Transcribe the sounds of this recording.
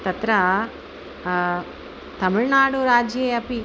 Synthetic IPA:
t̪ɐt̪ɾɐ | t̪ɐmuɻnaːɽuɾaːd͡ʒejɐpi

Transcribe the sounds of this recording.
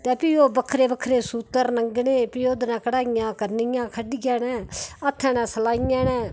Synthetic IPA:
t̪ɛːpioːbəkʰɾeːbəkʰɾeːsuːt̪əɾnəŋɡneːpɪoːd̪nãːkəɽaːɪjãːkəɾnɪjãːkʰəɖɪɡãːnɛ̃ːət̪ʰːɛ̃ːnɛ̃ːsəlaːɪjãːnɛ̃ː

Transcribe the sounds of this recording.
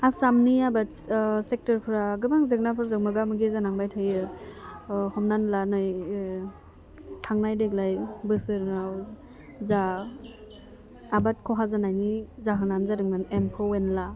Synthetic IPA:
asamniabatsek̚tɯɾkʰɯɾaɡɯmaŋzɯk̚napʰɯɾzɯk̚mɯɡamɯɡizanaŋbajtʰɯjɯ | hɔmnanlanɯj | tʰaŋnajdeɡlajbɯsɯɾnaw | za | bat̚kʰɔɦazanajnizaɦɯnanzadɯŋmɯnempʰɔwenla

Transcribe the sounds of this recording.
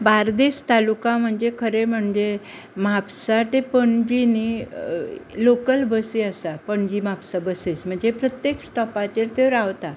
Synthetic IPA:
baɾd̪est̪alukãm̤əɳd͡zekʰəɾem̤əɳd͡ʑe | mapsat̪epəɳd͡ʑini | lokəlbəsiəsapəɳd͡ʑimapsabəsesm̤əɳd͡zepɾət̪jeksʈɔpat͡ɕeɾt̪eʋɾaʋt̪a

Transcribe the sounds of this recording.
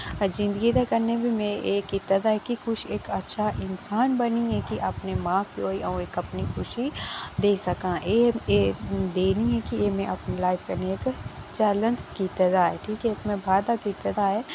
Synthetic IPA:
d͡ʒɪ̃nd̪əɡit̪akɐɾnebʱimẽeːkit̪ɐd̪aɦɛkikʊt͡ʃʰeːkɐtːʃʰaʔɪnsaːnbɐniɦɛkiʔɐpnemãːkioːiʔɔ̃eːkɐpnikʰʊʃid̪eːsɐkãːeed̪eːniɦɛ̃kijemɛ̃ʔɐpnelaːɪfkɐɾneeːkt͡ʃɛːlə̃nskit̪ɐd̪aɦɛʈʰiːkɦɛkmɛ̃bʱaːd̪akit̪ɐd̪aɦɛ

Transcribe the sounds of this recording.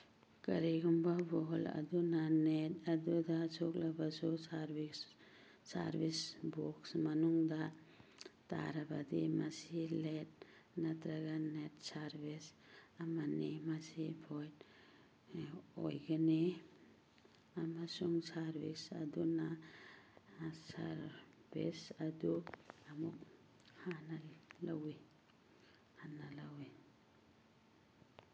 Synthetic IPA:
kəɾiɡumbabɔɦɔlɐ̰d̪unanetɐd̪ud̪asʰoklabasosaɾbis | sa̰ɾbisboksmanuŋd̪a | t̪a̰ɾabad̪ḭmasilet̚nɐt̪ɾəɡanetsaɾbis | amanimasibʰɔjt | ɔ̰jɡane | amasuŋsaɾbisaduna | saɾbḭsaduamuk̚ | hanalawi | hanalawi

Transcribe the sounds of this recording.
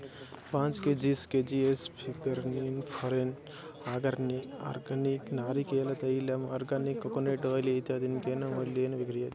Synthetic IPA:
pãːnt͡ʃked͡ʒisked͡ʒiespʰiɡɐɾninpʰɐɾen | aːɡɐɾnia̰ːɾɡɐniknaːɾikeːlɐt̪ɐjilɐmaːɾɡɐnikːɐkoneʈʋɐlet̪eɐd̪inkenɐmɐleːnɐʋiɡɾijɐt̪i

